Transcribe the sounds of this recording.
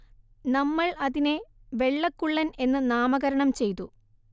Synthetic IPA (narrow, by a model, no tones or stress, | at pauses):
nɐmːɐɭɐðineʋe̞ɭːɐkːuɭːɐne̞nːɨnaːmɐɣɐɾɐɳɐmt͡ɕe̞jt̪u